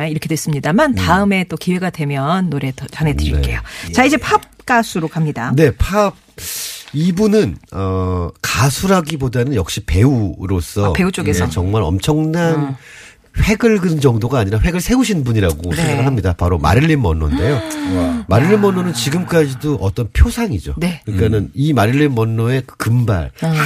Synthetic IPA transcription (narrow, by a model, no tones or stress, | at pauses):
iɾʌkʰedwes͈ɯmɲidamantaɯme̞t͈okiwe̞ɡadwe̞mjʌnːoɾe̞tʌt͡ɕanedɯɾik͈e̞̰jot͡ɕaid͡ʑe̞pʰap̚k͈asʰuɾokamɲidane̞pʰab̚ | ibunɯnʌkasʰuɾɦaɡibodanɯnjʌk̚ɕ͈ipe̞uɾos͈ʌpe̞ut͡ɕ͈oɡesʰʌt͡ɕʌŋmaɾʌ̰mt͡ɕʰʌŋnan | ɸwe̞ɡɯɭɡɯɯnd͡ʑʌŋdoɡaːɲiɾaɸwe̞ɡɯɭsʰe̞uɕʰinɯnbuɲiɾaɡosʰeŋɡaɡɯɭɦamɲidapaɾoma̰ɾɯɭːinmʌ̰nːo̰nde̞jomaɾɯɭːinmʌnːonɯnt͡ɕiɡɯmk͈ad͡ʑidoʔʌt͈ʌnpʰjosʰaŋid͡ʑo̰nekɯɲik͈anɯnimaɾɯɭːinmʌnːoe̞kɯkɯmba̰ɭ